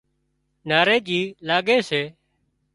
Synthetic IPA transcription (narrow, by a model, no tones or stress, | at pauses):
naːɾeːd͡ʒiːlaːɡeːseː